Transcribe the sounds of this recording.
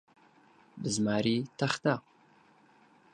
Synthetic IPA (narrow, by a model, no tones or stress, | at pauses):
bɨzmaːɾiːtʰɐχt̪aq